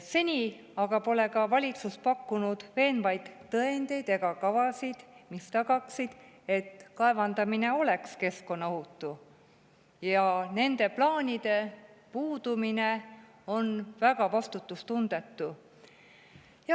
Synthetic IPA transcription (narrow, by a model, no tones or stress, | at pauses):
se̞nʲi | ɑɡ̥ɑpo̞le̞kɑvɑlʲit̪suspɑkːunud̪̥ve̞ːnvɑjd̪̥ːɤend̪e̞jd̪eɡɑkɑvɑsid̪̥mist̪ɑɡ̥ɑksid̪̥ | e̞t̪kɑe̞vɑnd̪̥ɑmine̞o̞le̞kske̞sko̞nːɑhut̪ːˑu | jɑne̞nd̪̥e̞plɑːnʲid̪̥e̞puːd̪̥umine̞ | o̞nvæɡ̥ɑvɑst̪ut̪ːˑust̪und̪̥e̞t̪ːu | jɑ